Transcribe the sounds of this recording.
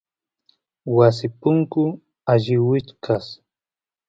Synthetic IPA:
was̬ɪpʊŋkʊ | aʎɪwɪt͡ʃkʰas

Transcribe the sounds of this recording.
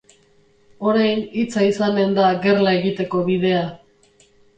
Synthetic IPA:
o̞ɾajnit͡saisane̞nd̪aɡe̞rlae̞ɣit̪e̞ko̞βiðe̞a

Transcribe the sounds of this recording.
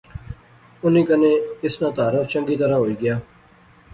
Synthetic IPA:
ʊnĩːkənẽːɪsnãːt̪aːɾəft͡ʃəŋɡiːt̪əɾaːɦoːiːɡɪjaː

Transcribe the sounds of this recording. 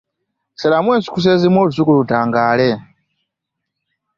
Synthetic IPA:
sɛlamwɛsʷu̥kʰus̬ɛzimwɔluzʷukulutaŋɡaːlɛ

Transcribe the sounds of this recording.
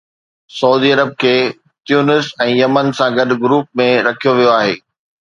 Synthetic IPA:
sɐuːd̪iːɐɾəb̚kʰeː | t̪juːnɪsɛ̃ːjɐmənsãɡɐɗ̆ɡʊɾuːp̚mẽɾɐkʰijoʋijoaːɦḛː

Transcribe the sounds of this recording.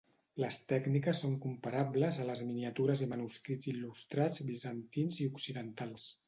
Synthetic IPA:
ləst̪ɛɡnikəsːoŋkumpaɾabləzələzminiət̪uɾəzðəmənuskɾidd͡zilust̪ɾad͡zbizənt̪inziuksiðənt̪alˠs

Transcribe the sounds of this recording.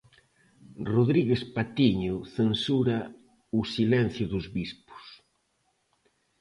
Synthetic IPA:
roðɾiɣespat̪iɲʊθensuɾa | usilɛn̟θjʊðʊzβispʊ̥s

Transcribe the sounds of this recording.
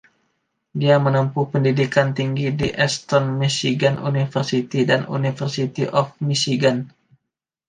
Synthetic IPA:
diamənəmpupəndidikant̪iŋɡidiʔɛst̪ɔnmisiɡanʔṵnifərsit̪idanṵnifərsit̪iʔɔfmisiɡan

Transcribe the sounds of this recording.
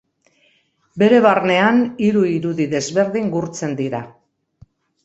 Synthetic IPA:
be̞ɾe̞βarne̞aniɾuiɾuðiðe̞zβe̞ɾðiŋɡuɾt͡se̞nd̪iɾa

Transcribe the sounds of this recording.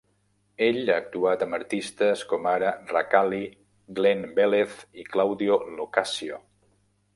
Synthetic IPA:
eʎaːk̚t̪uat̪əməɾt̪ist̪əskɔmaɾərakali | ɡlenbeleθiklawðiolokasio

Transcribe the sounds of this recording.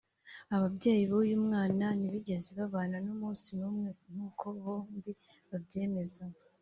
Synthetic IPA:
aβabɟaːjiβojuːmŋaːnaniβiɟe̞zeβaβaːnanomuːnsinuːmŋen̥huːkʰo̞βoːmbi | βabɟe̞ːme̞za

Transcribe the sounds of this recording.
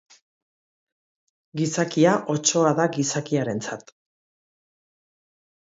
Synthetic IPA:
ɡisakiaʔo̞t͡ʃo̞aðaɡisakiaɾe̞nt͡sat̪

